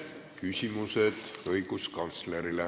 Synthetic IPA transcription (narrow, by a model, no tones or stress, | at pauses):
kysʲimused̪̥ɤjɡ̥uskɑnt̪sleɾile